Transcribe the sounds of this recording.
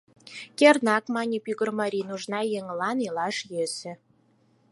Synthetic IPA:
kʲernɑkmɑnʲipyɣə̆rmɑɾʲinuʒnɑjeŋlɑnilɑʃjesĕ

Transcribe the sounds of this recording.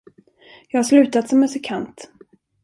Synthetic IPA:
jɑːɡhaʂlʉ̟ːt̪at̪sɔmɛsɪkʰant̪

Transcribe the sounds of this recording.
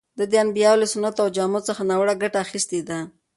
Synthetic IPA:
d̪əd̪əanbijɑlasʊnat̪awd͡ʒamosəxanawɽaɡaʈaːxist̪ed̪a

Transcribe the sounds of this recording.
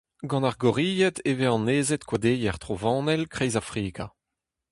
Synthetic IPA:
ɡɑ̃naʁɡɔʁiːjɛt̪eveɑ̃neːzɛt̪kwad̪eːjɛʁt̪χovɑ̃ːnɛlkχɛjzafχiːkʰa

